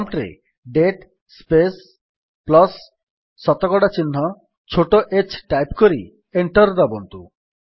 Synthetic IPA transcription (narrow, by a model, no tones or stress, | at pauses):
mʈɾḛ | ɖeʈ | spes | plɔsː | ɔt̪okɔɽat͡ɕinːɔ | t͡ɕʰoʈoʔet͡ɕʈajpkoɾḭ | eɳʈɔɾd̪ɔbont̪u